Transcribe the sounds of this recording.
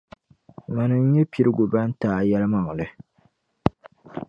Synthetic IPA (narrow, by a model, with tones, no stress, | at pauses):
ma˨nɨ˨ŋ̩˦ɲɛ˦pi˨ɾɨ˦ɡo˨ba˦n̩˦taː˦jɛ˦lɨ˦ma˨ŋ˨lɨ˨